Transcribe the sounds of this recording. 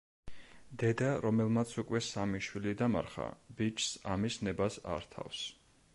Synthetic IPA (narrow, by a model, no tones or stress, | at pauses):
d̪ɛd̪aɾɔmɛlˠmat̪sʰukʼwɛsamiʃwilid̪ama̰ɾχa̰bit͡ʃʰsamisnɛbasa̰ɾt̪ʰa̰fs